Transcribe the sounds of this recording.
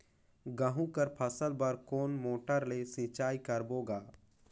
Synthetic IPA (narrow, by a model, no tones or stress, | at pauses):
ɡəɦũkəɾpʰəsəlbəɾkoːnmoːʈəɾlesɪt͡ʃaːikəɾboːɡaː